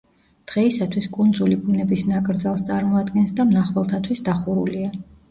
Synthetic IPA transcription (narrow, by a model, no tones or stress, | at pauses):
d̪̥ʁɛisat̪ʰwiskʼund̪zulibunɛbisnakʼɾd̪zalˠst̪sʼaɾmɔad̪ɡɛnsd̪amnaχwɛlˠt̪ʰat̪ʰwisd̪aχuɾulia